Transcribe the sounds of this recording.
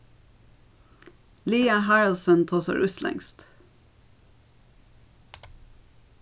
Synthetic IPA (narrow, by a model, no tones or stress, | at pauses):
liːɑhɑɹəlsənt̪ʰoːsə̰ɹʔʉslɛ̰ŋst̪